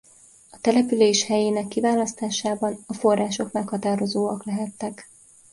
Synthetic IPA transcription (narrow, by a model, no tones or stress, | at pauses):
ɒt̪ɛlɛpyleːʃhɛjeːnɛkːivaːlɒst̪aːʃaːbɒnɒfo̞rːaːʃo̞kmɛkhɒt̪aːɾo̞zoːɒklɛɦɛt̪ːɛk